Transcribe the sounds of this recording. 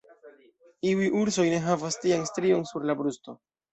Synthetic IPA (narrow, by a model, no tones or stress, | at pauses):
iujʔuɾso̞jne̞ɦavastianstɾio̞nsuɾlabɾusto̞